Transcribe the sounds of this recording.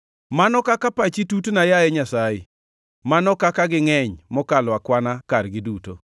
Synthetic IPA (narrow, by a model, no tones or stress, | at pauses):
manɔkakapat͡ʃitutnajaɛɲasajḛ | manɔkakaɡɪŋɛɲmɔkalwakwanakarɡɪduto̰